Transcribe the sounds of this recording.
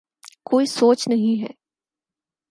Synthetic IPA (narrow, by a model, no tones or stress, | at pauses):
koːisoːt͡ʃnɐɦĩɦɛ̰ː